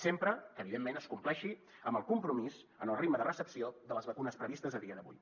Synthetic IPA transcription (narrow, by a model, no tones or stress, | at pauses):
sempɾəkəːβiðemːenəskumplɛʃi | əmbəlˠkumpɾumiz | ənəlˠriɡməðərəsəpsioðələzβəkunəspɾəβist̪əzəðiəðəβṵj